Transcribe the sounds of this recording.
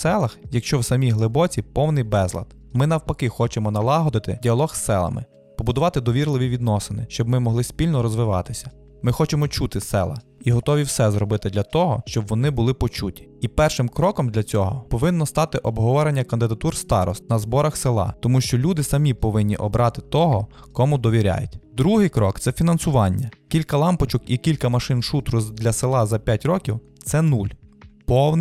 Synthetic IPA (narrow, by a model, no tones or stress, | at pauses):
sɛlˠɐxjɐkʃt͡ʃɔwsɐmʲijɦlˠɪbɔt͡sʲipɔwnɪjbɛzlˠɐ̰d̪ | mɪnɐwpɐkɪxɔt͡ʃemɔnɐlˠɑɦɔd̪ɪt̪ɪdʲiɐlˠɔxsːɛ̰lˠɐ̰mɪ̰ | pɔbʊd̪ʊʋɑt̪ɪd̪ɔʋʲirlˠɪʋʲiʋʲid̪nɔsɪnɪʃt͡ʃɔbmɪmɔɦlˠɪsʲpʲilʲnɔɾɔzʋɪʋɑt̪ɪsʲɐ̥ | mɪxɔt͡ʃemɔt͡ʃut̪ɪsɛ̰lˠɐ̰iɦɔt̪ɔʋʲiwsɛzɾɔbɪt̪ɪd̪lʲɐt̪ɔɦɔ̰ʃt͡ʃɔbʋɔnɪbʊlˠɪpɔt͡ʃutʲi̥ipɛrʃɪmkɾɔkɔmd̪lʲɐt͡sʲɔɦɔ̰pɔʋɪnːɔst̪ɑt̪ɪʔɔbɦɔʋɔɾenʲːɐkɐnd̪ɪd̪ɐt̪urst̪ɑɾɔ̰st̪̚ʲnɐzbɔɾɐxsɪlˠɑ̰t̪ɔmuʃt͡ʃɔlʲud̪ɪsɐmʲipɔʋɪnʲːḭʔɔbɾʔɑt̪ɪ̥t̪ɔɦɔ | kɔmud̪ɔʋʲiɾʲa̰jʊ̰tʲd̪ɾuɦɪjkɾɔkt̪sɛfʲinɐnsʊʋɑnʲːɐkʲilʲkɐlˠɑmpɔt͡ʃʊkikʲilʲkɐmɐʃɪnʃut̪ɾʊd̪lʲɐselˠɑzɐpʲjatʲɾɔkʲiw | t̪sɛnulʲpɔwn